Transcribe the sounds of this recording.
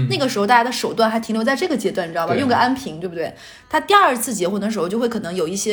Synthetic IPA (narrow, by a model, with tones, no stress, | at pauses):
na˥˩ɡə˩ʂɻ̩˧˥xʊt̪a˥˩ja˥ə˧ʂo˨˩ʊt̪wa˥˩nxa˧˥ɪt̪ʰi˧˥ŋljt͡sa˥˧ʈ͡ʂɤ˥˩ɡə˩t͡ɕjɛ˥t̪wa˥˩n̩˩˧˥jʊ˥˧ŋɡə˩a˥npʰi˧˥ŋt̪we˥˩bu˩we˥˩ɪ | t̪ʰa˥t̪i˥˧ɐ˞˥˧t͡sʰɹ̩˥˩t͡ɕjɛ˧˥xwn˧˩ʂ̬ɻ̩˧˥˧t͡ɕo˥˧xwʰɤ˨˩˧ŋjo˨˩ʊi˥˩ɕjɛ˥